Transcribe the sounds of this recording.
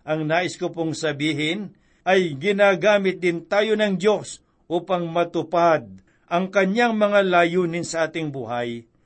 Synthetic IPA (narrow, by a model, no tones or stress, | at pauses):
ʔɐŋnaːʔɪskʊpoŋsɐbiːɦɪn | ʔɐjɡɪnaːɡaːmɪt̪̚d̪ɪnt̪aːjonɐŋd̪jo̞s | ʔuːpɐŋmɐt̪ʊpad̪̚ | ʔɐŋkɐɲjaŋmɐŋalaːjuːnɪnsɐʔaːt̪ɪŋbṵːɦaj